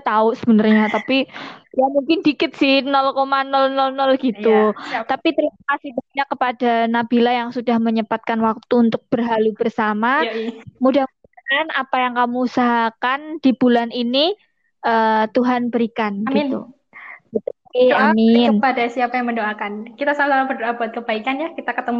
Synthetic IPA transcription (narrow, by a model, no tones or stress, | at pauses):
t̪ausə̥bənarɲat̪apijamuŋkɪndikɪt̪sɪhnɔlkomanɔlnɔlnɔlɡit̪ut̪apit̪əɾimakasɪhbaɲakːəpadanabilajaŋsudahməɲəpat̪̚kanwak̚t̪uːnt̪ʊk̚b̥ərɦalubərsamamudahmudaanapajaŋkamuːsaɦakand̥ibulanini | ʔəːt̪uɦanbəɾikanɡint̪ṵ | ɡit̪ukɪamɪnbadasiapajaŋməndoakankit̪asalasalabərdoabuat̪̚kəbaikanjakit̪akət̪əm